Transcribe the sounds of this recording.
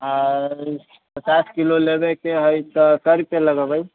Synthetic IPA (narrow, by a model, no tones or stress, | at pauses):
a | pət͡ʃaskilolebekeɦəjt̪əkəɾipeləɡəbəj